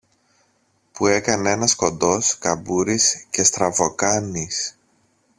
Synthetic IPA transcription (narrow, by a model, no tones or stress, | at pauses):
pue̞kɐne̞nɐsko̞nd̪o̞skɐbuɾisce̞st̪ɾɐvo̞kɐnis